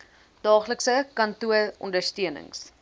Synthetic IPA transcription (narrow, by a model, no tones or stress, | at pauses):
d̥ɑːχləksəkɐntuəɔ̰ndərstiənə̰ŋs